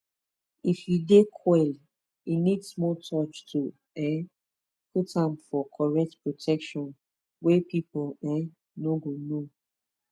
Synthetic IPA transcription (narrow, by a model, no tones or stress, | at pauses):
ifjudekʰwɛl | inidsmɔtɔt͡ʃtʰu | ɛ̃ | putãmfɔkʰɔɹɛk̚tpɹotʰɛkʃɔ̃n | wepipulɛ̃ | noɡono